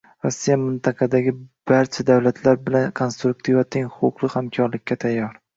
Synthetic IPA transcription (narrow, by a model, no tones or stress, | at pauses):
ɾɒsːijamɪnt̪ʰɑqʰɑd̪aɡʲɪb̥aɾt͡ʃʰad̪awlat̪ʰlaɾbɪlankʰo̞nst̪ɾuk̚t̪ʰivvat̪ʰeŋχʊʊqlˠɨhamkʲʰɒɾlɪkʲːat̪ʰajːɒɾ